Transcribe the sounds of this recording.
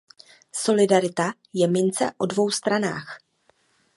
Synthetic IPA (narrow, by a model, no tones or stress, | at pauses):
so̞lɪdaɾɪt̪a | jɛmɪnt͡sɛ̰ʔo̞dvo̞wst̪ɾana̰ːx